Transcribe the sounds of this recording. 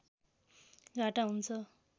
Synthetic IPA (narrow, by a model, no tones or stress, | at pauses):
ɡʱaʈaɦunt͡sʰʌ